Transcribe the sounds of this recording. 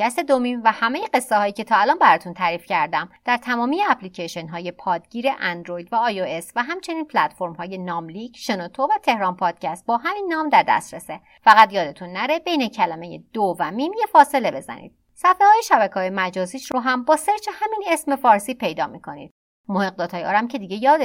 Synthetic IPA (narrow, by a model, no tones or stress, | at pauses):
kʰæst̪ed̪omimvæhæmejeɢe̞sːehɒːjiːce̞t̪ʰɒːælɒːnbæɾɒːt̪ʰunt̪ʰæɾiːfcʰæɾd̪æmd̪̥æɾt̪ʰæmɒːmijeæpʰlicʰeʃenɦɒːje̞pʰɒːd̪ɟiːɾe̞ʔænd̪ɾojd̪væɒːjoe̞svæɦæmt͡ʃʰe̞niːnpʰlæt̪fo̞ɾmhɒːje̞nɒːmlicʰʃenot̪ʰovæt̪ʰe̞hɾɒːnpʰɒːd̪̥cʰæst̪̚bɒːɦæminːɒːmd̪æɾd̪æ̰st̪ɾese | fæɣæt̪jɒːd̪e̞t̪ʰunːæɾe̞be̞jne̞cʰælæme̞je̞d̪̥ovæmimje̞fɒːse̞le̞be̞zæ̰nḭːd̪̥̚ | sæfehɒːjeʃæbækʰɒːjemæd͡ʒɒːziːʃɾoɦæmbɒːse̞ɾt͡ʃʰehæminesme̞fɒːɾsiːpʰe̞jd̪ɒːmikʰo̞nḭːd̪̥̚ | moheɣ̚d̪ɒːt̪ʰɒːjeɒːɾæmcʰe̞d̪iɟe̞jɒːd̪e